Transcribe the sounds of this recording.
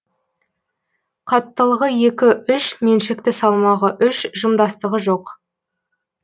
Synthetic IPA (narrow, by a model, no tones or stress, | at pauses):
qʰɑt̪ːəlˠəʁəje̞kʲɪʏʃme̞nʃe̞k̚t̪ɪsɑlˠmɑʁəʔʏʃʒəmd̪ɑst̪əʁəʒo̞q